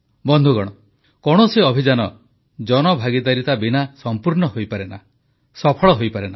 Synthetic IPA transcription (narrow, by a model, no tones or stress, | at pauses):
bɔnd̪ʱuɡɔɽ̃ɔ | kɔɽ̃ɔseɔbʱid͡ʒanɔ | d͡ʒɔnɔbʱaɡid̪aɾit̪abinasɔmpuɾnɔɦojpaɾena̰ | sɔpʰɔɭɔɦojpaɾena